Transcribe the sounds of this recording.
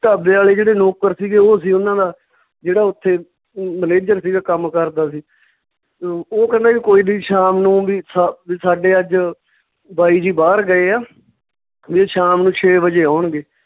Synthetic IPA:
t̪aːbeːaːleːd͡ʒeːɽeːnoːkəɾsiːɡeːoːsiːʊnãːd̪aː | d͡ʒeːɽaːʊt̪ʰːeː | məneːd͡ʒəɾsiːɡaːkəmkəɾd̪aːsiː | oːkɛ̃nd̪aːkiːkoːiːdiːʃaːmnũːʋiːsaʋiːsaːɖeːəd͡ʒ | baːiːd͡ʒiːbaːɾɡəeːaː | ʋiːʃaːmnũːt͡ʃʰeːʋəd͡ʒeːaːʊɳɡeː

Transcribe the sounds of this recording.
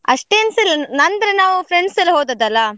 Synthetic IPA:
ɐ̰ʂʈeːnsilːnɐnd̪ɾenaːʋufɾeɳɖsilːɐɦoːd̪ɐd̪ɐlːɐ

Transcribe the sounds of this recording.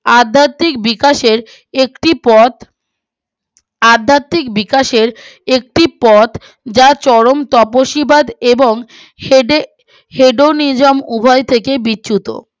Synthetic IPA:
ad̪ʱːat̪ːik̚bikaʃeɾ | ekʈipɔt̪ | ad̪ʱːat̪ːikbikaʃeɾek̚ʈipɔt̪ | d͡ʑat͡ɕɔɾomt̪ɔpoʃibad̪eboŋ | ɖe | heɖonid͡ʑomubʱɔjt̪ʰekebitːɕʰut̪o̰

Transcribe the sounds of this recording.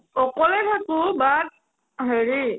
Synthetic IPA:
ɔkɔlɛtʰakʊ̃bad̚ | ɦeɹi

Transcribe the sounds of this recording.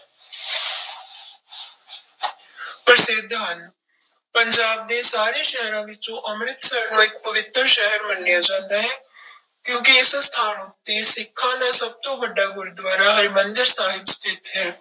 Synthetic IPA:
pɾəsɪd̪ʱːɦən | pəɲd͡ʒaːb̚d̪eːsaːɾeːʃɛɦɾãːʋɪt͡ʃõːʔəmɾɪt̪sənõːɪkpəʋɪt̪ɾʃɛɦəɾmənːɪjaːd͡ʒãːnd̪aːɦɛ̃ː | kjõːkiɪsst̪ʰaːnot̪eːsɪkʰːãːd̪aːsəb̚t̪õːbəɖːaːɡʊɾd̪ʋaːɾaːɦəɾmənd̪əɾsaːɦɪbst̪ʰɪːt̪ɦɛː

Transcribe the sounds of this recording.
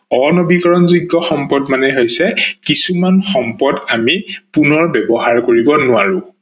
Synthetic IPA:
ɔnobikɔɹɔnziɡːɔxɔmpɔdmanɛɦojsɛkisumanxɔmpɔdamipunɔɹbɛbɔɦaɹkoɹibɔnʊaɹʊ̃

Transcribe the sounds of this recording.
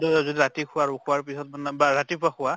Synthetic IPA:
dzodiɹatikʰʊwaɹukʰʊaɹpisɔtmnbaɹatipʊakʰʊa

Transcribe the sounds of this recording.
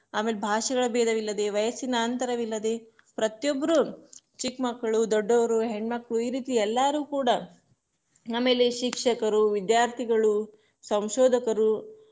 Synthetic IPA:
aːmeːlebʱaːʃɐɡɐɭɐbɛːd̪ʱɐʋilːɐd̪e̞ʋɐjɐsinɐːnt̪ɐɾɐʋilːɐd̪e̞ | pɾɐt̪jɔbːɐɾu | t͡ʃikmɐkːɐɭud̪ɔɖːɔʋɐɾuɦeɳɖmɐkːɐɭuiːɾiːt̪iɛlːaːɾuːkuːɽɐ | naːmeːleʃikʂɐkɐɾuʋid̪jaːɾt̪ʰiɡɐɭu | sɐmʃɔːd̪ʱɐkɐɾu

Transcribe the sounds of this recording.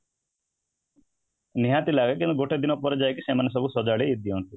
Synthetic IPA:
niɦat̪ilaɡakind̪uɡoʈed̪inɔpɔɾɔd͡ʒajkisemanes̬ɔbʱusɔd͡ʒaɭeid̪iunt̪i

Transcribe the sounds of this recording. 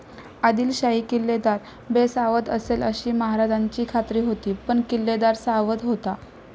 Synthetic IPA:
ad̪iːlɕaikilːed̪aɾ | besaʋət̪əseləɕiːməɦaɾad͡ʑaɲt͡ɕiːkʰat̪ɾiːɦot̪iːpəɳkilːed̪aɾsaʋət̪ɦot̪a

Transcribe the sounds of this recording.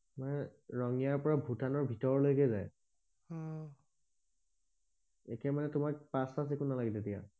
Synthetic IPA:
manɛɹɔŋijaɹpɔɹabʱutanɔɹbʱitɔɹɔlojkɛzaj | ekɛmanɛtʊmak̚pasasekʰunalaɡɛtetija̰

